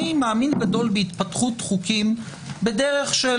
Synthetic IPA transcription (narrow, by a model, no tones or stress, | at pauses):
imaːminɡado̞lbeitpatχutχukim | bede̞ʁeχʃe